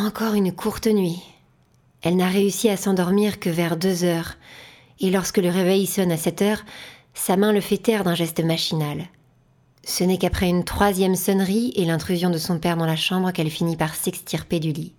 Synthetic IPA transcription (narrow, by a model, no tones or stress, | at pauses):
ɑ̃kɔʁynkʰuʁt̪nɥi | ɛlnaʁeysiasɑ̃d̪ɔʁmiʁkəvɛʁd̪øzœʁ | elɔʁskələʁevɛjsɔnasɛt̪œʁ | samɛ̃ləfɛt̪ɛʁd̪ɛ̃ʒɛst̪əmaʃinal | sənɛkapχɛynt̪χwazjɛmsɔnʁielɛ̃t̪χyzjɔ̃d̪əsɔ̃pɛʁd̪ɑ̃laʃɑ̃bʁəkɛlfinipaʁsɛkst̪iʁped̪yli